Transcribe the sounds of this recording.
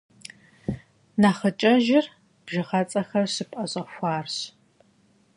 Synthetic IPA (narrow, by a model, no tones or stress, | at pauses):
naːχɐt͡ʃʼɐʒɪr | b̥ʒɪʁɐt͡sʼɐxɐrɕɨpʼʔɐɕʼɐxʷaːrɕ